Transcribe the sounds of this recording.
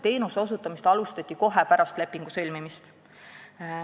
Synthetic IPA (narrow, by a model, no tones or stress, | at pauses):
t̪e̞ːnuso̞sut̪ːˑɑmist̪ɑlust̪ɑt̪ʲːˑiko̞ɦepæɾɑst̪le̞pːiŋɡ̥usɤ̞lʲmimist̪